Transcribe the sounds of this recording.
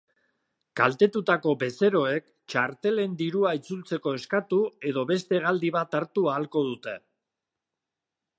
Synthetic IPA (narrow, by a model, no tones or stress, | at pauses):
kalt̪e̞t̪ut̪ako̞be̞se̞ɾo̞e̞k | t͡ʃaɾt̪e̞le̞nd̪iɾuait͡sult͡se̞ko̞e̞skat̪ue̞ð̞o̞βe̞st̪e̞ɣald̪iβ̞at̪aɾt̪uaːlko̞ð̞ut̪e̞